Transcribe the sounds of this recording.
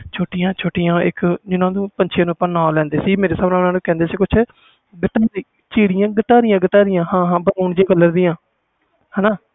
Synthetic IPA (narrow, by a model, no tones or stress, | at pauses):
t͡ʃʰoːʈɪjãːt͡ʃʰoːʈɪjãːɪ̰kd͡ʒɪnãːd̪ũːpəɲt͡ʃʰeːnũːəpːə̃ːnaːlɛ̃ːnd̪eːsiːmeːɾeːsaːbnãːʊnãːnũːkɛ̃ːnd̪eːsiːkʊt͡ʃʰ | ɡəʈ̪aːɾiː | t͡ʃiːɽɪjãːɡət̪aːɾɪjãːɡəʈ̪aːɾɪjãːɦãːɦãːbənaːɳd͡ʒeːɡəlːəɾd̪iːãː | hɛːnaː